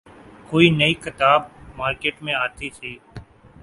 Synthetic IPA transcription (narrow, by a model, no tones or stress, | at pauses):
koːiːnəiːkɪt̪aːbmaːɾkeːʈmẽːaːt̪iːsʰiː